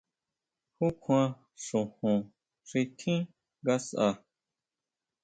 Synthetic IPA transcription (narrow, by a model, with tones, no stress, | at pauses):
hu˦kʷʰã˧ | sũ˨hũ˨ | si˧tʰĩ˦ | ɡa˧sa˧